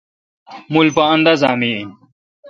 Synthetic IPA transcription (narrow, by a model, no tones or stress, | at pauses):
mulpɐɐ̃nd̪ɐzaːmi